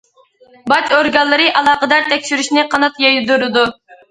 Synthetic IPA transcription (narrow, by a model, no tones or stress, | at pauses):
bɑt͡ʃoɾɡɑlˠːɨɾɨʔɑlˠɑːqəd̪ɑɾt̪ʰɛkʲʃyɾyʃnɪqʰɑnɑt̪jɑjd̪uɾɨd̪u